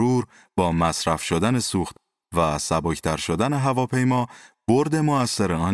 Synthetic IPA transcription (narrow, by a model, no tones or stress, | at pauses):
uːɾ | bɒːmæsɾæfʃod̪æne̞suːxt̪ | væsæbɒːcʰt̪ʰæɾʃod̪æne̞ɦævɒːpʰe̞jmɒːb̥oɾd̪e̞moæsːeɾeɒn